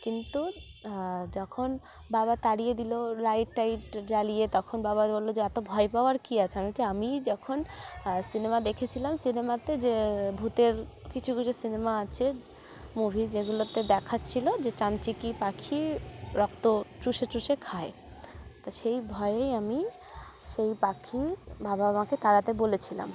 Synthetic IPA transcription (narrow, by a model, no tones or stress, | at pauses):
kint̪u | d͡ʑɔkʰon | baβat̪aɽijed̪ilolajʈːajʈd͡ʑalijet̪ɔkʰonbaβabolːod͡ʑeɛt̪obʱɔepawaɾkiat͡ɕʰeamitiamid͡ʑɔkʰonsinemad̪ekʰet͡ɕʰilamsinemat̪ed͡ʑebʱut̪eɾ | kit͡ɕʰukit͡ɕʰusinemaat͡ɕʰe | mubʱid͡ʑeɡulot̪ed̪ɛkʰatːt͡ɕʰilod͡ʑeʈant͡ɕikipakʰːiɾɔk̚t̪otɾuʃet͡ɕɾuʃekʰae | t̪aʃejbʱɔeejami | ʃejpakʰibabaamaket̪aɾat̪ebolet͡ɕʰila̰m